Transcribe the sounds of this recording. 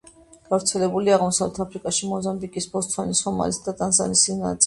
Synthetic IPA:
ɡ̥avɾt̪sʰɛlɛbuliaʁmɔsavlɛt̪ʰapʰɾikʼaʃimɔzambikʼisbɔst̪ʰfanisɔma̰lisd̪at̪ʼanza̰nisina̰t̪sʼ

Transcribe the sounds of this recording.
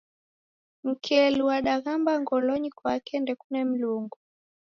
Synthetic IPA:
m̩kʰɛluwaɗaɣambaŋɡɔlɔɲikwakɛndɛkunɛm̩luŋɡu

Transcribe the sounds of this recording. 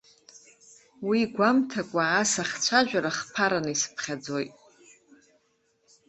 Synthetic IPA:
wiɡʷamtʰakʷʼaːsaχʲt͡sʷʰaʒᶣaɾaχpʰaɾanɨisɨ̥pʰχʲad͡zo̞jtʼ

